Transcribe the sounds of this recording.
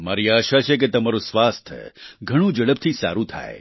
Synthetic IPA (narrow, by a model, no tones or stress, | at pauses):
ma̰ɾiaːʃat͡ʃʰek̬et̪əmaɾũsʋast̪ʰəɡʱəɽ̃ũd͡ʒəɭəb̚t̪ʰisa̰ɾũt̪ʰa̰e